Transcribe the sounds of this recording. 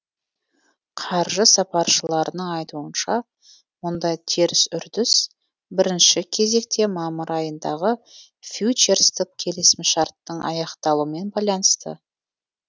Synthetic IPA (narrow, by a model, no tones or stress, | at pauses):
qʰɑɾʒəsɑpɑɾʃəlˠɑɾənəɴɑjt̪uənʃɑ | wʊnd̪ɑjt̪ʰeɾɪsʏɾd̪ɪs | bɪɾɪnʃɪkʲʰe̞ze̞k̚t̪e̞mɑməɾɑjənd̪ɑʁə | fʲjut͡ʃe̞ɾst̪əp̚kʲʰe̞lɪsɪmɪʃɑɾt̪ːəɴʔɑ̰jɑqt̪ɑlˠuəme̞nbɑjlˠɑnəst̪ə̰